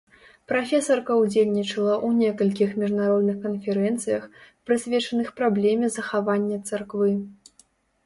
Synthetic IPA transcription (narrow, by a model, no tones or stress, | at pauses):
pɾafʲɛsɐrkɐwd͡zʲelʲnʲit͡ʂɐlˠɐʔunʲɛkɐlʲkʲixmʲiʐnaɾɔd̪nɨxkɐnfʲɛɾɛnt̪sɨjɐxpɾɨsʲvʲɛt͡ʂɐnɨxpɾablʲɛmʲɛzɐxavanʲːɐt̪sarkvɨ